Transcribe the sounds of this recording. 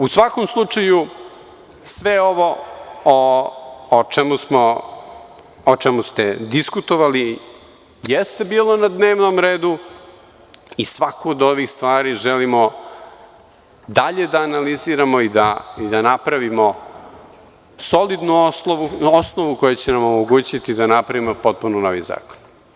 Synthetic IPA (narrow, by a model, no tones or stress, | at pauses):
usʋakomslˠut͡ʂaju | sʋeo̞ʋo̞oː | t͡ʃemusmo | ot͡ʃemust̪ed̪iskut̪oʋali | jest̪e̞biːlˠo̞nad̪ne̞ːʋnomɾeːd̪u | isʋakoːd̪o̞ʋixst̪ʋaːɾiʒelimo̞ | d̪aʎe̞d̪aːnaliziːɾamo̞id̪aid̪anapɾaʋimo̞ | so̞lid̪nunoosnoʋukojet͡ɕenamomoɡuːt͡ɕit̪id̪anapɾaʋimo̞po̞t̪̚pununoʋḭza̰ːko̥n